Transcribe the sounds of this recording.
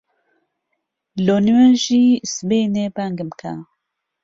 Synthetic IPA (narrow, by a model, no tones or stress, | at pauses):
loniwɛnʒisbenebaŋɡɨmkʰa̰